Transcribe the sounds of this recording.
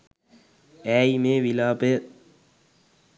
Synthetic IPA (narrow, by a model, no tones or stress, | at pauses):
æːjimeːʋilaːbe